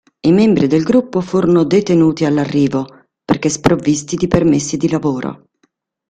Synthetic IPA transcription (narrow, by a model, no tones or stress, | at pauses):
imɛmbɾid̪elɡɾupːofuːɾonod̪et̪enuːt̪ialːarːiːvo | perkespɾovːist̪id̪ipermesːid̪ilavoːɾo̰